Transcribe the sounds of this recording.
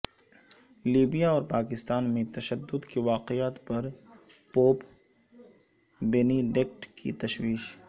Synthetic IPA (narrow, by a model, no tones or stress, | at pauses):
liːbijaɔːɾpaːkɪst̪aːnmẽt̪ɐʃəd̪ːʊd̪kiʋaːqɪjaːt̪pɐɾ | poːp | beniɖek̚ʈkʰḭt̪ɐʃwiːʃ